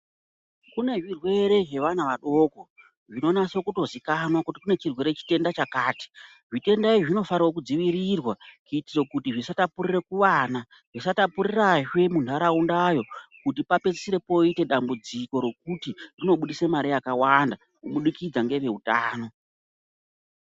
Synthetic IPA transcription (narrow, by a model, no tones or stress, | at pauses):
kune̞ʐirwe̞ɾe̞ʐe̞ʋanaʋaɗo̞ːko̞ | ʐino̞naso̞kuto̞zikanwakutikune̞t͡ʃirwe̞ɾe̞t͡ʃi̥te̞ndat͡ʃakaːti̥ | ʐite̞ndaiʐino̞faɾwok̬ud͡ziʋiɾirwakutiro̞kutiʐisatapurire̞kuʋaːna | ʐisatapuɾiraʐe̞mundaɾaundajo̞kut̬ipape̞t͡sesiɾe̞po̞ite̞ɗambud͡ziko̞ɾe̞k̚utirino̞ɓuɗisemaɾijakawanda | kuɓuɗikid͡zaŋɡe̞ʋe̞utaːno̞